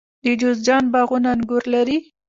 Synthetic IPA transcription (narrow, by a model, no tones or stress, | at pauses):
d̪əd͡ʒozd͡ʒɑnbaɣunanɡʊɾlaɾi